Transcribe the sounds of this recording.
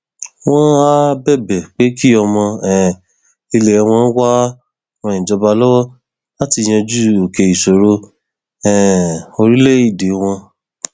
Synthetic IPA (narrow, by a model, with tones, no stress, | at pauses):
w̃ɔ̃˦a˦bɛ˦˨bɛ˨k͡pe˨˦ki˦ɔ˧mɔ̃˧ɛ˨ | i˧le˨ɛ˧w̃ɔ̃˧˦wa˦ | wɔ̃˧ĩ˨d͡ʒɔ˧ba˧lɔ˦wɔ˦ | la˦ti˧˨j̃ɛ̃˧d͡ʒu˦o˨ke˨i˨so˨ɾo˧ | ɛ̃˨o˧ɾi˦le˦˨˦i˦˨de˨˦w̃ɔ̃˧